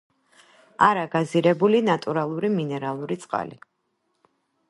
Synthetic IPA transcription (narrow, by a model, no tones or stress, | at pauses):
aɾaɡaziɾɛbulinat̪ʼuɾalˠuɾiminɛɾalˠuɾit̪sʼqʼa̰lḭ